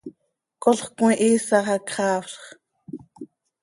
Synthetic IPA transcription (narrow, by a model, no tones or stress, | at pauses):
kʼoɬχkw̃ĩʔiːsɑχɑkχɑːfɬχ